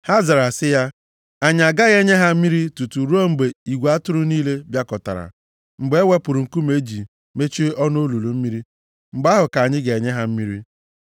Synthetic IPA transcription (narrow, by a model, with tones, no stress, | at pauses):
ha˦za˨ɾa˨sɪ˦ja˦ | a˦ɲ˨a˨ɡa˦ɣe˦ɲe˦ɦa˦m̩˦mi˦ɾi˦tu˨tu˨ɾu˦ɔ˦ŋ͡m̩˨ɡ͡be˨i˨ɡʷa˦tʊ˦ɾʊ˦niː˦le˦bja˦kɔ˨ta̰˨ɾa̰˨ | ŋ͡m̩˨ɡ͡be˨˦wʷe˦pʊ˨ɾu˨ŋ̩˨ku˦me˦d͡ʒi˨ | me˦t͡ʃi˦ɔ˦no˦lu˨lu˨m̩˦mi˦ɾi˦ | ŋ͡m̩˨ɡ͡ba˦ɦʊ˨ka˨a˨ɲɪ˦ɡe˨e˨ɲe˦ɦa˦m̩˦mi˦ɾi˦